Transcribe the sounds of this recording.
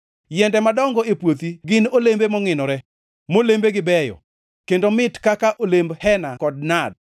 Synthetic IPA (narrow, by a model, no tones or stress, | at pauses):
jɛndɛmadɔŋɡɔepwot̪iɡɪnolembemɔŋɪnɔɾɛ | molembeɡɪbɛjɔ̰ | kendomɪtkakaʔolembhɛnakɔd̚nad̚